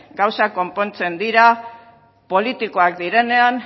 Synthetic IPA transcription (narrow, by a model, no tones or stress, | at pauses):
ɡawsako̞mpo̞nt͡se̞nd̪iɾa | po̞lit̪iko̞ak̚d̪iɾe̞ne̞an